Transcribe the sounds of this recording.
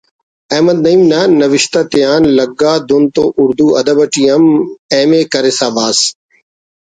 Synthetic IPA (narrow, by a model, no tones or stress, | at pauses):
ɛːməd̪̚nəiːmnaːnɐʋɪʃt̪aːt̪ɪjaːnləɡaːd̪ʊnt̪oːʔʊɾd̪uːɐd̪əbəʈiːɐmɛːmeːkəɾeːsaːʋaːs